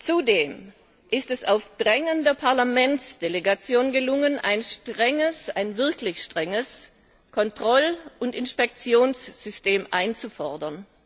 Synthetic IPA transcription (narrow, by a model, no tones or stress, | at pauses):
t͡sudeːm | ʔɪstɛsaʊfd̥ʁɛŋəndəpʰaɐlamɛnt͡sd̥eleɡat͡sjoːnɡəlʊŋənʔa̰ɪnʃtʁ̥ɛŋəsaɪnvɪɐklɪçʃtʁ̥ɛŋəs | kʰɔntʁ̥ɔlʊntɪnʃpɛk̚t͡sjoːnsz̥ʏsteːmʔa̰ɪnt͡sufɔɐdɐn